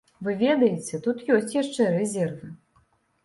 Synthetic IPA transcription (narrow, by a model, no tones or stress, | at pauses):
vɨvʲɛd̪ɐjet͡sʲɛt̪ut̪jɔsʲt͡sʲjaʂt͡ʂɛɾɛzʲɛrvɨ